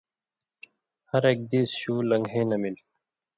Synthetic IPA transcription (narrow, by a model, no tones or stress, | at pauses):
hɐɾek̚d̪iːsɕuːlɐŋɡɦẽːnɐmil